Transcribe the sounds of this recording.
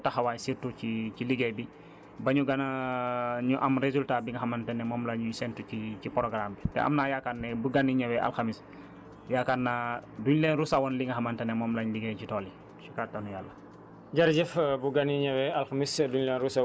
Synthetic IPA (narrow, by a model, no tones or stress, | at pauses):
tɐxɐwaːjsirtuciciliɡɛjbi | bɐɲuɡɐnɐ | ɲuʔɐmɾezultaːbiŋɡɐxɐmɐntɐnɛmɔːmlɐɲusɛntuciipɔɾɔɡɾaːmbitɛ̰ʔɐ̰mnajakatnɛbuɡɐniɲɐwɛʔa̰lxamis | jakatnaːduɲlɛnrusawɔnliŋɡɐɦɐmɐntɐnɛmɔːmlɐɲliɡɛcitɔːli | t͡ʃikatːanujaːlːɐ | ɟɐɾɟɛfbuɡɐniɲɐwɛɐlxɐmisduɲlɛnɾusa